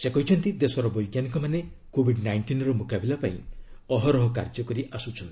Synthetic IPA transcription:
sekɔɦit͡ʃʰɔnt̪id̪esɔɾɔbɔjkjaŋkɔmane | kobʱiɖnajɳʈinɾɔmukabilapaḭ̃ɔɦɔɾɔɦɔka̰ɾd͡ʒɔkɔɾiʔasut͡ʃʰɔn

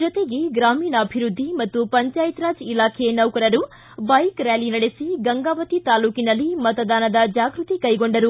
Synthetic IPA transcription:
d͡ʒot̪eɡeɡɾaːmiːnɐɐbʱiɾud̪ʱːimɐt̪ːupɐɲt͡ʃaːjit̪ɾaːd͡ʒilaːkʰenɐwkɐɾɐɾu | bɐjkɾaːlinɐɽesiɡɐŋɡaːʋɐt̪it̪aːluːkinɐlːimɐt̪ɐd̪aːnɐd̪ɐd͡ʒaːɡɾut̪ikɐjɡo̞ɳɖɐɾu

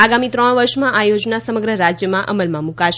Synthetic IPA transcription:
aɡamit̪ɾɔɽ̃ʋəɾʃmãʔajod͡ʒnasəməɡɾəɾad͡ʒjəmãʔəməlmãmũkaʃ

